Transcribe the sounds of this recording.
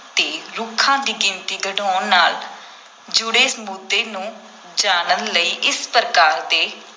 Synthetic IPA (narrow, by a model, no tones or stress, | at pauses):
t̪eːɾʊkʰːãːd̪iːkɪ̃nt̪iːɡəɖoːnnaːl | d͡ʒʊɽeːsəmuːd̪eːnũː | d͡ʒaːnənləiːʔɪspɾəkaːɾd̪eː